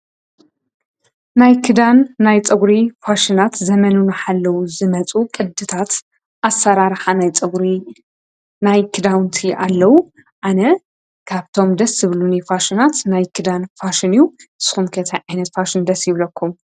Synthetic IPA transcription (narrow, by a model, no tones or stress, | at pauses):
najkʰɨd̪anːajt͡sʼɐɡɾifaʃinat̪zɐmɐnunɨħalːɐwuzɨmɐt͡sʼukʼɨd̪ːɨt̪ʰat̪ | ʔasːɐɾaɾħanajt͡sʼɨɡɾi | najkʰɨd̪awnt̪ʰiʔalːɐwu | ʔanɐ | kʰaβt̪ʰo̞md̪ɐsːɨβlunifaʃɪnat̪najkʰɨd̪anfaʃinijuɨsɨ̥xumkʰɐt̪ʰɐjʕajnɐt̪faʃɪnd̪ɐsjɪβlɐkʰːum